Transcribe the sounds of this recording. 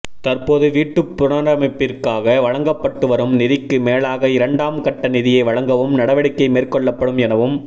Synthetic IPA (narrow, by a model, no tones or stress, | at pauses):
t̪ɐrpoːðɯʋiːʈːɯpːʊɾɐnɾɐmɪpːɪrkaːɣɐʋɐɻɐŋɡɐpːɐʈːɯʋɐɾɯmnɪðɪkːɯmeːɭaːɣɐɪɾɐɳɖaːmkɐʈːɐnɪðɪjɐɪʋɐɭɐŋɡɐʋɯmnɐɽɐʋɐɽɪkːɐɪmeːrkɔɭːɐpːɐɽɯmɛnɐʋɯm